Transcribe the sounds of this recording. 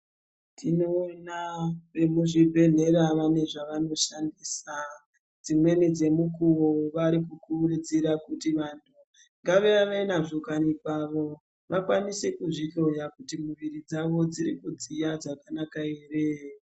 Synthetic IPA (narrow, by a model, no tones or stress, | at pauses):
tino̞ːnaʋe̞muʐibʱe̞ɮe̞ɾaʋane̞ʐaʋano̞ʃandiːsa | d͡zimwe̞nid͡ze̞mukuwo̞ʋaɾikukurud͡ziɾakutiʋantʰu | ŋɡaʋe̞ʋaʋenaʐokanipaʋo̞ | ʋakwanise̞kuʐito̞jakutimuʋiɾid͡zaʋo̞d͡ziɾikud͡zijad͡zakanakaeːre